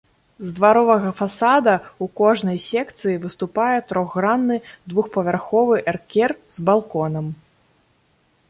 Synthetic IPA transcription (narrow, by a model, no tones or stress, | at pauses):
zd̪vaɾɔvɐɣɐfasad̪ɐukɔʐnɐjsʲɛkt̪sɨjivɨst̪upajɛt̪ɾɔɣːɾanːɨd̪vuxpɐvʲarxɔvɨʔɛrkʲɛrzbalˠkɔnɐm